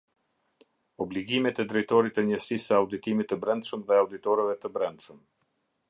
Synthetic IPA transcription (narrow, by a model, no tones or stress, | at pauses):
ɔbliɡimɛt̪ɛd̪ɾɛjt̪ɔɾit̪əɲəsisəawd̪it̪imit̪ːəbɾɛnd̪ʃəmðɛawd̪it̪ɔɾɛvɛt̪əbɾɛnd̪ʃəm